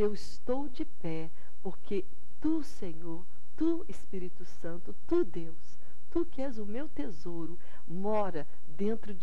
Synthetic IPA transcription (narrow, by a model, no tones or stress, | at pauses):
ewɪst̪owd͡ʒɪpɛ | poɾkʰe | t̪usẽɲoɾ | t̪u | espiɾit̪ʊsɐ̃nt̪ʊt̪ud̪ews | t̪ukɪɛzʊmewt̪ezoɾʊ | mɔɾɐ | d̪ẽnt̪ɾʊ